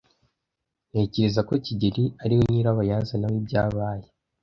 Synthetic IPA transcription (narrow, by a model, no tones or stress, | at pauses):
neːciɾezako̞ciɟeɾiaɾiwoniːɾaβajaːzenawibɟaːβaːje